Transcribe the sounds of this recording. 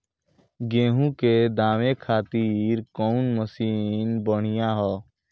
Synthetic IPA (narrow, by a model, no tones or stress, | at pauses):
ɡẽːɦũked̪aːʋekʰaːt̪iːɾkɔːnməsiːnbəɽ̤̃ɪjãɦɔː